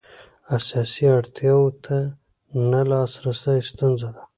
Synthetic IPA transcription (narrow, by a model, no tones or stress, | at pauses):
asjɑsiaɽt̪ʰjɑwot̪ʰa | nalɑsɾasajst̪unzad̪a